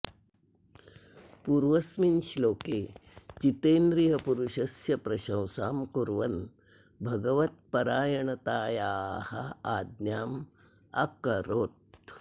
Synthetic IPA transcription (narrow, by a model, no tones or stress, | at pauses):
puɾʋɐsminʃloːkeːt͡ʃit̪eːnd̪ɾiɦɐpuɾuʃɐsjɐpɾɐʃɐ̃wsaːmkuɾʋɐn | bʱɐɡɐʋɐt̪̚pɐɾaːjɐɳɐt̪aːjaːhɐaːd̪njaːm | ɐkɐɾoːt̪̚